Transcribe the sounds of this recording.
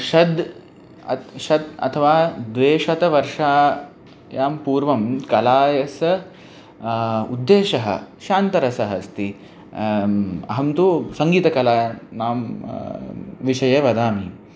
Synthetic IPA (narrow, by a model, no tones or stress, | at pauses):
ʃɐd̪ | ɐʃɐt̪ɐ̰t̪ʰɐʋaːd̪ʋeːʃɐt̪ɐʋɐɾʂaː | jaːmpuːɾʋɐmkɐlaːjɐsɐ | ṵd̪ːeːʃɐɦɐ̰ʃaːnt̪ɐɾɐsɐɦɐst̪i | ɐ̰ɦɐmt̪usɐŋɡiːt̪ɐkɐlaːnaːm | ʋiʂɐjeːʋɐd̪aːmi